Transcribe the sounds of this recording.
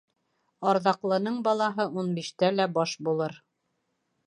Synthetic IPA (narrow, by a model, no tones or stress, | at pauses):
ɑɾðɑqlˠɤ̆nɤɴbɑlˠɑɦɤʔunbiʃt̪ælæbɑʃbulˠɤɾ